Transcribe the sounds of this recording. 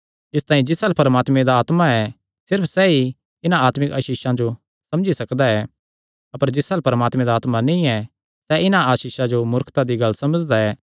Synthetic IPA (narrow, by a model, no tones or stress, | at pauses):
ɪst̪ãːĩd͡ʒɪsalpɐɾəmaːt̪mẽd̪aaːt̪maɛ | sɪɾpʰsɛi | ɪnãaːt̪mɪkaːʃiːʃãd͡ʒo | sɐ̃md͡ʒisɐkd̪aɛ | ɐpəɾd͡ʒɪsalpɐɾəmaːt̪mẽd̪aːt̪mãnĩɛ | sɛʔɪnãaːʃiːʃad͡ʒomʊɾkʰt̪ad̪iɡɐlːsɐməd͡ʒd̪aɛː